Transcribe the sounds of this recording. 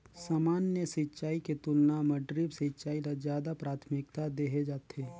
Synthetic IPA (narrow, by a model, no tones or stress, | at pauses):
saːmaːnjəsɪt͡ʃaːiket̪ʊlnamɐɖɾɪbsɪtːt͡ʃaːilazjaːd̪apɾaːt̪ʰmɪk̚t̪ad̪eːɦed͡ʒaːt̪ʰeː